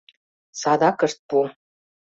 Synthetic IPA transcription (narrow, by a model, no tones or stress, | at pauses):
sɑd̪ɑkəʃt̪̚pu